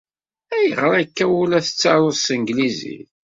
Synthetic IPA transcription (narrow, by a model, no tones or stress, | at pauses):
æjəʁɾˤækːæwulæθə̥t͡sːɑɾˤoðˤsəŋɡlizḭθ